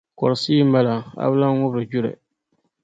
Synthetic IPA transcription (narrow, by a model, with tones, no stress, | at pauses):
kɔ˨ɾsiː˦ma˦la˨a̰˦bla˦ŋ˦ŋʊ˦bɾɨ˨d͡ʒu˦ɾɛ̰˨